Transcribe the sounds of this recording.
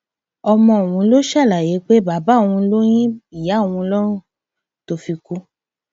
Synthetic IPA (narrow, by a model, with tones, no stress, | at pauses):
ɔ˧mɔ̃˧˨w̃ũ˨˦lo˦ʃa˦˨la˨je˨˦k͡pe˦ba˨˦ba˨˦˨w̃ũ˧˦lo˦j̃ĩ˦i˨ja˨˦˨w̃ũ˧lɔ˦ɾũ˦ | to˧˨fi˧ku˦